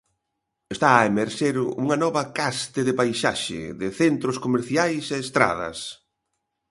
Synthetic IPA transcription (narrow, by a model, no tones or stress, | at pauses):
est̪aːemeɾʃeɾuŋɐnɔβɐkast̪ɪðɪβajʃa̰ʃɪ̰ðɪθent̪ɾoskomeɾθjajseːst̪ɾa̰ðɐ̰s